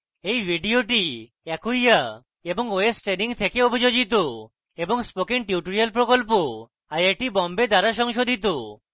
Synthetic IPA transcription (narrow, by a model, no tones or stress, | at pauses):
ejbʱiɖioʈi | ɛkujja | eboŋoesʈɾeniŋt̪ʰekeobʱid͡ʒod͡ʒit̪̬o | eboŋspokenʈjuʈoɾialp̬ɾokolp̬o | ajeʈibɔmbed̪aɾaʃɔŋʃod̪ʱit̪̬o